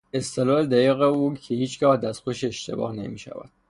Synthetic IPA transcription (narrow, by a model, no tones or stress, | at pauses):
e̞st̪ʰelɒled̪æjiːɣeuːcʰehiːt͡ʃʰɡɒːhd̪æsxoʃeʃt̪ʰe̞̰bɒ̰ːhne̞̰miːʃæ̰væ̰d̪̥̚